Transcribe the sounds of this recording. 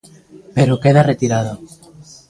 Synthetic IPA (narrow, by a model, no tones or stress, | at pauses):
pe̞ɾoke̞ðaret̪iɾað̞o